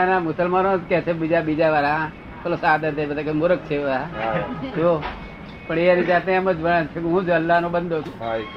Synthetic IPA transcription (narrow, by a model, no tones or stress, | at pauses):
nãmʊsəlmanõd͡ʒkɛt͡ʃʰebid͡ʒabid͡ʒaʋaːɾã | t̪ʰolosaːd̪ət̪ebəd̪akemʊɾək̚t͡ʃʰeʋəd̪ad͡ʒo | pəɳeənid͡ʒaːt̪neɛməd͡ʒʋəɽat͡ʃʰekeɦũːd͡ʒəlːaɦnõbənd̪ʱot͡ʃʰũ